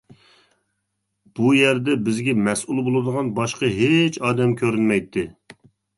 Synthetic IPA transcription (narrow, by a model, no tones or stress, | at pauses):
b̥ujɛɾd̪ɛbɪzɡʲɛmɛsʔulˠbolˠɨd̪əʁɑnbɑʃqɑɦet͡ʃɑːd̪ɛmkʲʰøɾynmɛjt̪ʰːɪ